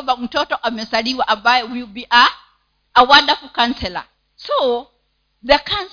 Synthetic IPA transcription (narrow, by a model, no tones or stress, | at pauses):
bam̩tɔtɔʔamɛsaliwaʔambajɛwibiʔa | awadafukãnsɛla̰ | so | ðəkʰans